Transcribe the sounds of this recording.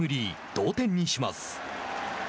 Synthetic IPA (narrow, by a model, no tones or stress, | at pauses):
ɯ̟ɾʲid̪̥o̞ːt̪ẽ̞ɲ̟ːiɕima̰sɨ̥